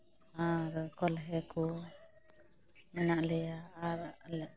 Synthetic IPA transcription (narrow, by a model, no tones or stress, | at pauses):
aɾkɔlɦɛku | mɛnaʔlɛjaaɾaʔl